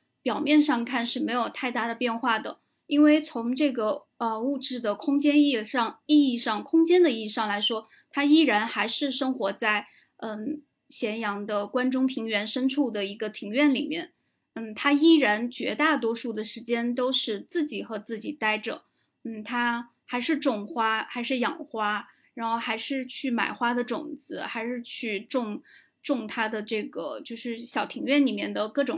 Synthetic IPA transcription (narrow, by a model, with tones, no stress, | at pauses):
pjɑ˨˩ʊmjɛ˥˧nʂɑ˥˧ŋkʰa˥˧nʂɻ̩˥˩me˧˥ɪjo˨˩ʊt̪ʰa˥˧ɪt̪a˥˩d̪ə˩pjɛ˥˧nxwa˥˩d̪ə̰˩ | i˥nwe˥˩ɪt͡sʰʊ˧˥ŋʈ͡ʂɤ˥˩ɡə˩ | ə˧u˥˧ʈ͡ʂɻ̩˥˩d̪ə˩kʰʊ˥ŋt͡ɕjɛ˥ni˥˧ʂɑ˥˧ŋi˥˧i˥˧ʂɑ˥˩ŋkʰʊ˥ŋt͡ɕjɛ˥nd̪ə˨˧i˥˧i˧ʂɑ˥˩ŋla˧˥ɪʂwɔ˥ | t̪ʰa˥i˥˩ɻa˧˥nxa˧˥ɪʂɻ̩˥˩ʂɤ˥ŋxwɔ˧˥t͡sa˥˩ɪ | ə˥˧˩ | ɕjɛ˧˥njɑ˧˥ŋd̪ə˧kwa˥nʈ͡ʂʊ˥ŋpʰi˧˥ŋɥɛ˧˥nʂə˥nʈ͡ʂʰu˥˩d̪ə˩i˧˥ɡə˧t̪ʰi˧˥ŋɥɛ˥˩nli˨˩mjɛ˥˩n | n̩˥˩t̪ʰa˥i˥˩ɻa˧˥nt͡ɕɥɛ̰˧˥t̪a˥˩t̪̬wɔ˥ʂu˥˩d̪ə˩ʂɻ̩˧˥t͡ɕjɛ˥nt̪o˥ʊʂɻ̩˥˧t͡sɹ̩˥˩t͡ɕi˨˩xɤ˧˥t͡sɹ̩˥˩t͡ɕi˨˩t̪a˥˩ɪʈ͡ʂɤ̰˨˩˦ | n̩˥˩t̪ʰa˥ | xa˧˥ɪʂɻ̩˥˧ʈ͡ʂʊ˥˩ŋxwa˥xa˧˥ɪʂɻ̩˥˩jɑ̰˨˩ŋxwa˥ | ɻa˧˥nxo˥˩ʊxa˧˥ɪʂɻ̩˥˧t͡ɕʰy˥˩ma̰˨˩ɪxwa˥d̪ə˨ʈ͡ʂʊ̰˨˩ŋd͡zɹ̩˧˥xa˧˥ɪʂɻ̩˥˧t͡ɕʰy˥˧ʈ͡ʂʊ˥˧ŋ | ʈ͡ʂʊ˥˧ŋt̪ʰa˥d̪ə˨ʈ͡ʂɤ˥˩ɡə̰˩t͡ɕjo˥˧ʊʂɻ̩˥˩ɕjɑ˨˩ʊt̪ʰi˧˥ŋɥɛ˥˩nli˨˩mjɛ˥˩nd̪ə˩kɤ˥˩ʈ͡ʂʊ˨˩ŋ